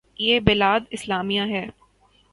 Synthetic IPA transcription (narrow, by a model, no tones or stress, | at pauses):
jeːbɪlaːd̪ɪslaːmijãɦɛː